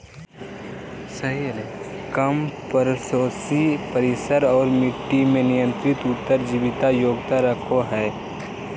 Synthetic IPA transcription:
səɦelkəmpəɾsoːsipəɾɪsəɾɔːɾmɪʈːimẽnɪjə̃nt̪ɾɪt̪ʊt̪ːəɾd͡ʒiʋɪt̪ajoːɡt̪aɾəkʰoɦɛː

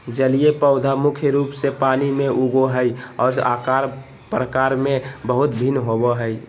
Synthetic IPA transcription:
d͡ʒəlijepəʊd̪ʱamʊkʰjəɾupsepanimeʔuɡoɦəjɔːɾakaɾ | pɾəkaɾmẽbəɦʊt̪bʱinɦobɔɦəj

